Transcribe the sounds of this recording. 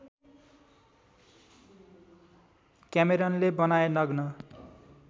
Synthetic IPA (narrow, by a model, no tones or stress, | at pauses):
kjameɾʌnlebʌnaenʌɡnʌ